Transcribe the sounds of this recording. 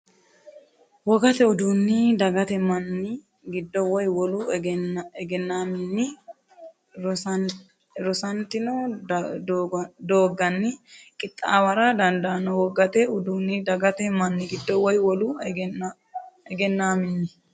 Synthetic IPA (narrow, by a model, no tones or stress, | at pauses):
wɔɡɐt̪ɛʊd̪unːɪd̪ɐɡɐt̪ɛmɐnːɪ | ɡɪd̪ːɔwɔjwɔlu | ɛɡɛnːaːmɪnːɪ | ɾɔsɐnt̪ɪnɔ | d̪oːɡɐnːɪkʼɪt̪ʼːaːwɐɾad̪ɐnd̪ɐːnɔwɔɡɐt̪ɛʊd̪unːɪd̪ɐɡɐt̪ɛmɐnːɪɡɪd̪ːɔwɔjwɔlu | ɛɡɛnːaːmɪnːɪ